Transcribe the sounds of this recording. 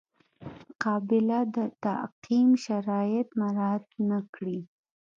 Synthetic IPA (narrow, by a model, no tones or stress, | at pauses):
mʊqɑbɪlad̪ət̪aqimʃaɾɑjɪt̪maɾɑt̪nakɽi